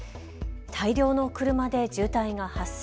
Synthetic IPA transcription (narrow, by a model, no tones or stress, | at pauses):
t̪ʰaiɾʲo̞ːno̞kɯ̟ɾɯ̟mad̪e̞d͡ʑɨːt̪aiŋahas